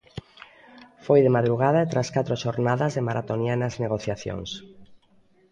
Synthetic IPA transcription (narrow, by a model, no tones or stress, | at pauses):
fojðemaðɾuɣaðaet̪ɾaskat̪ɾoʃoɾnaðazðemaɾʔat̪onianazneɣ̞oθjaθjo̰ŋs